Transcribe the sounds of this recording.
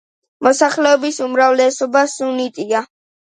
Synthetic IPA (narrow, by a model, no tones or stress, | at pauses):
mɔsaχlɛɔbisumɾavlɛsɔbasunit̪ʼia